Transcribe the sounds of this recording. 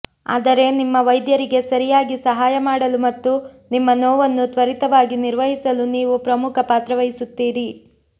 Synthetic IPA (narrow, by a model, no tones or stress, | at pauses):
a̰ːd̪ɐɾe̞nimːɐʋɐjd̪jɐɾiɡe̞sɐɾijaːɡisɐɦaːjɐmaːɽɐlumɐt̪ːu | nimːɐnɔːʋɐnːut̪ʋɐɾit̪ɐʋaːɡiniɾʋɐɦisɐluniːʋupɾɐmukʰɐpaːt̪ɾɐʋɐɦisut̪ːiːɾi